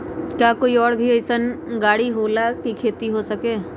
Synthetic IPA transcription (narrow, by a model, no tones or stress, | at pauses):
kjaːkoːiɔːɾbʱiəɪsənɡaːɽiɦoːlakikʰeːt̪iɦosɐkeː